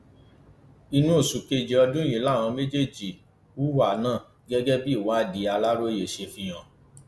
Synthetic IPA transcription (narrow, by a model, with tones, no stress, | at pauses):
i˧nũ˦o˦˨su˨ke˧d͡ʒi˧ɔ˧dũ˦j̃ĩ˨˦la˦˨w̃ɔ̃˧mẽ˦d͡ʒe˦˨d͡ʒi˨ | u˦wa˨nãː˦˨ | ɡɛ˦ɡɛ˦bi˦i˦˨wã˨˦˨di˨˧˦a˧la˦ɾo˦e˦je˨ʃe˧˨fĩ˧j̃ã˨